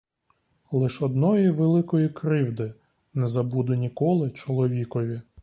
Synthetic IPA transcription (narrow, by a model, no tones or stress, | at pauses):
lˠɪʃɔd̪nɔjiʋelˠɪkɔjikɾɪwd̪ɪ | nɛzɐbud̪ʊnʲikɔlˠɪt͡ʃɔlˠɔʋʲikɔʋʲi